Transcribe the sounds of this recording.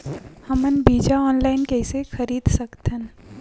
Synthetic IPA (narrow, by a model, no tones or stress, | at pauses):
hɐmənbiːd͡ʒaɔːnlaːɪnkɛːsexɐɾiːd̪sɐkt̪ən